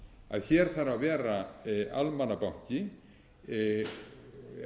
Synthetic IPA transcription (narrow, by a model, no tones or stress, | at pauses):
a̰ðçɛɾ̥θaɾavɛːɾaa̰lmanːapawɲ̥cɪ